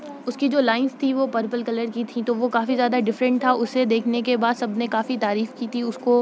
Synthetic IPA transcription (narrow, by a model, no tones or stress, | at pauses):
ʊskid͡ʒoːlaːɪnzt̪ʰiʋopəɾpəlkɐləɾkit̪ʰĩt̪oʋokaːfizjaːd̪aɖɪfɾə̃ɳʈ̚t̪ʰaʔʊsːed̪eːkʰnekebaːd̪sɐbnekaːfit̪aːɾiːfkit̪ʰiʊsko